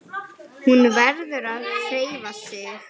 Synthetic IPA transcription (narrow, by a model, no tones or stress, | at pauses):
hunvɛɾðʏɾaðfeːjvasɪx